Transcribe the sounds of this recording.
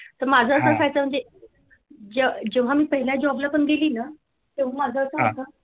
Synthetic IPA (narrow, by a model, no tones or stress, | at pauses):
t̪əɾmad͡zʱəːsəəsajt͡səm̤əɳd͡ze | d͡ʑed͡ʑeʋ̤amiːpəɦiljad͡ʑɔblapəɳɡeliːna | t̪eʋ̤amad͡zʱəəsəɦat̪ə